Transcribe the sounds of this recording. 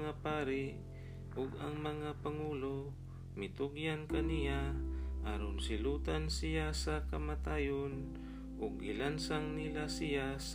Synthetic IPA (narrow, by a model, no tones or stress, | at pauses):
ŋapaːɾɪ | ʊɡɐŋmɐŋapɐŋuːlo | mɪt̪ʊɡjankɐnɪjaʔaːɾonsɪluːt̪ansɪjasɐkɐmat̪aːjon | ʔʊɡʔɪlansaŋnɪlasɪjas